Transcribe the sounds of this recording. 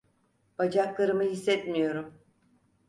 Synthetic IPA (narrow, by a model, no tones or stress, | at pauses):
b̥ad͡ʒaklˠaɾɯmɯhisːɛt̪mijo̞ɾum